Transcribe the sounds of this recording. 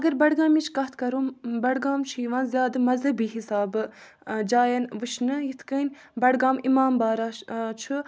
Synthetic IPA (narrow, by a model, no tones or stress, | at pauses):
ɐɡɐɾbɐɽɡaːmit͡ʃʰkɐɦt̪ʰkɐɾuːbɐɽɡaːmt͡ʃʰiːʋãːnzʲjaːd̪ɨmɐzɦɐbiːɦisaːbɨ | d͡ʒaːjɐnʋɨt͡ʃʰnɨjit̪ʰkɐnʲbɐɽɡaːmimaːmbaːɾaːt͡ʃʰu